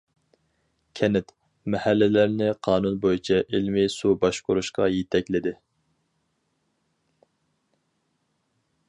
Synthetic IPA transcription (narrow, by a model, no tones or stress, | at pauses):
kʲʰɛnɪt̪ | mɛhælːɪlæɾnɪqʰɑːnunbojit͡ʃʰɛʔilmɪsubɑʃqoɾuʃqɑ̰jet̪ʰɛkʲlɪd̪ɪ